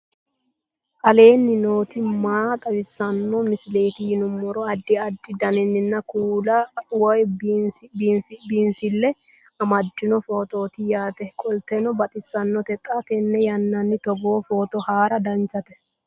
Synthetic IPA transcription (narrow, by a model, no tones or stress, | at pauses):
ʔɐle̞ːnːɪno̞ːt̪ɪmaːt̪ʼɐbɪsːɐnːɔmɪsɪle̞ːt̪ɪjɪnʊmːɔɾɔɐd̪ːɪɐd̪ːɪd̪ɐnɛnːɪnːɐkuːlɐwɔjbbfbiːnsɪlːɛ | ɐmɐd͡ʒːɪnɔfo̞ːt̪o̞ːt̪ɪjaːt̪ɛkʼɔlt̪ɛnɔbɐt̪ʼɪsːɐnːɔt̪ɛt̪ʼːaːt̪ɛnːɛjɐnːɐnːɪt̪ɔɡo̞ːfo̞ːt̪ɔhaːɾɐd̪ɐnt͡ʃːɐt̪ɛ